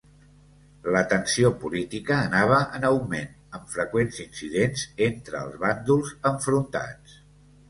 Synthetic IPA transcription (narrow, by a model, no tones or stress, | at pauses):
lət̪ənsiopulit̪ikəːnaβ̞əʔənəwmen | əmfɾəkwenzinsiðenzent̪ɾəːlˠzβand̪ulˠzəɱfɾunt̪a̰t͡s